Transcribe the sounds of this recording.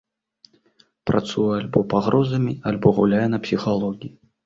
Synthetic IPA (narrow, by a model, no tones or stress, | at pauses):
pɾat̪sujɛalʲbɔpaɣɾɔzɐmʲialʲbɔɣulʲajɛnɐpsʲixalˠɔɣʲiji